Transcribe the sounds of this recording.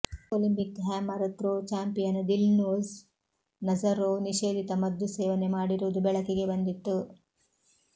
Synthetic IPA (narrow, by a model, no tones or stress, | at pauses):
olimpikɦaːmɐɾɐt̪ɾot͡ʃaːmpijɐnd̪ilnoːz | nɐd͡ʒɐɾoniʃeːd̪ʱit̪ɐmɐd̪ʱːuseːʋɐnemaːɽiɾuʋd̪ubɛɭɐkiɡe̞bɐnd̪it̪ːu